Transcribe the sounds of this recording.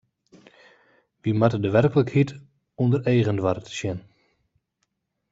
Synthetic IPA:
ʋimatədəʋɛrkələkhit | ɔndəreːɣəndʋartʃjɪn

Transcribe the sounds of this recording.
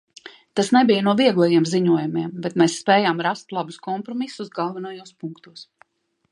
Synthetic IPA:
t̪asnɛbijənuɔviɛɡlˠajiɛmziɲuɔjumiɛmbet̪mɛːsːpɛːjaːmɾast̪lˠabuskɔmpɾɔmisuzɡalˠvɛnajuːspuŋkt̪uɔs

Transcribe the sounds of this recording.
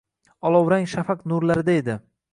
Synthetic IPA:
ɒlˠɒwɾaŋʃafaqnʊɾlaɾɪd̪aed̪ɪ

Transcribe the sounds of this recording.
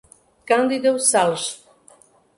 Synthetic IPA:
kand̪id̪ewsalʃt̪

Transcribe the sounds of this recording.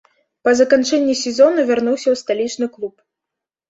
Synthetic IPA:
pɐzɐkant͡ʂɛnʲːisʲɛzɔnɐvʲarnuwsʲɐwst̪alʲit͡ʂnɨklˠup

